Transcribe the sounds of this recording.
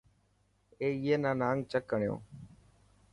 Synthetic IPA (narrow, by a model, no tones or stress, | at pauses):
eːɪjeːnãːnaːŋt͡ʃəkːəɳjo̰ː